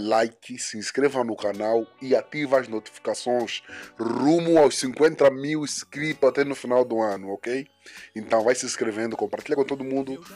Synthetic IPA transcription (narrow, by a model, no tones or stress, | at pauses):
lajkɪsɪĩskɾevɐnʊkanawɪat̪ivɐːznot̪i̥fi̥kasõj̃srũmʊawssĩŋkwẽnt̪ɐmiwskɾipat̪ɛnʊfinawd̪ʊɐ̃nʊokej | ẽnt̪ɐ̃w̃vajsɪẽskɾevẽnd̪ʊkõmpaɾt̪iʎɐkõt̪od̪ʊmũnd̪ʊ